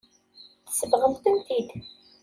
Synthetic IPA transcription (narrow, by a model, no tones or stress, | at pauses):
θə̥səvʁəðt̪əmθid̪